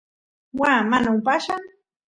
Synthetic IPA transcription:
waːmanaʊpaʃaŋ

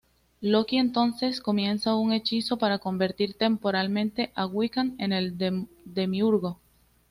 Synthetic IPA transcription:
lo̞kie̞nt̪o̞nse̞sko̞mje̞nsauŋe̞t͡ʃiso̞paɾako̞mbe̞ɾt̪iɾt̪e̞mpo̞ɾalmẽ̞nt̪e̞ʔaɣwikane̞ne̞l | d̪e̞miuɾɣo̞

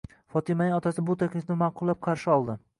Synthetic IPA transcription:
fɒt̪ʰɪmanɪŋɒt̪ʰasɪbʊt̪ʰakʲlɪfnɪmaqʊlˠːap̚qʰɑɾʃɪɒlˠd̪ɪ

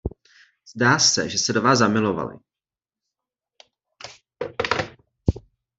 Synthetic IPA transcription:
z̥daːsɛ̰ʒɛsɛdovaːzzamɪlo̞va̰lɪ̰

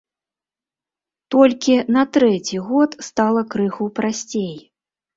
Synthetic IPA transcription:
t̪ɔlʲkʲinɐt̪ɾɛt͡sʲiɣɔt̪st̪alˠɐkɾɨxupɾasʲt͡sʲej

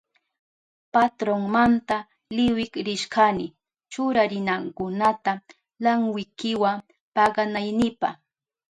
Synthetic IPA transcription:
pat̪ɾoŋmant̪a | lɪwɪkɾɪʃɢanɪ | t͡ʃʊɾaɾɪnaŋkʊnat̪a | laŋwɪkɪwa | pɑɢɑnajnɪpɑχ

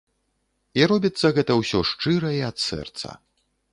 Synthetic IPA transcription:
iɾɔbʲit̪sːɐɣɛt̪ɐwsʲɔʂt͡ʂɨɾɐiɐt̪sɛ̰rt̪sɐ̰

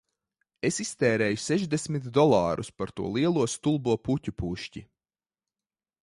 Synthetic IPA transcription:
esist̪ɛːɾɛːjuseʒd̪esmit̪d̪ɔlˠɑːɾṵspaɾt̪ṵɔlˠiɛlˠuɔst̪ulˠbuɔpucʲupuʃci

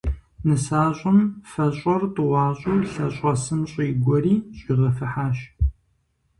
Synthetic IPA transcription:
nɨsaːɕʷʼʊmfɐɕʼɔrtʼɨwɑːɕʼuwɬɐɕʼɐsɨmɕʼjːɡʷɔriːɕʼiʁɐfɨħaːɕ

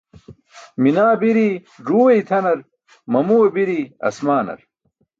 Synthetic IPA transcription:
minaːbiɾi | ʐuːwɐjt̪ʰɐnɐɾ | mɐmuːɐbiɾiɐ̰smaːnɐ̰ɾ

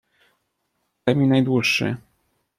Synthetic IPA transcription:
amʲinajd̪wuʂːɘ̰

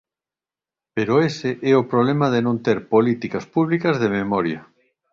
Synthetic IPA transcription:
peɾoeseʔɛʊpɾoβlemɐðenõnt̪eɾpolit̪ikɐspuβlikɐzðememɔɾjɐ

